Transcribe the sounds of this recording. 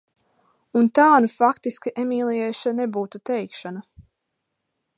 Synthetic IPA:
unt̪aːnufakt̪iskiʔɛmiːlˠiɛʃanebuːt̪ut̪ɛjkʃana

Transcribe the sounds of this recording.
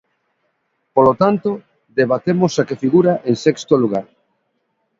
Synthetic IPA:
polot̪ant̪o | d̪eβat̪emosakefiɣuɾaʔeŋsɛkst̪oluɣ̞aɾ

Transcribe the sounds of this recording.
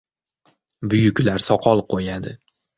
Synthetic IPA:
bʊjʊkʲlaɾsɒqʰɒlˠqʰojad̪ɪ

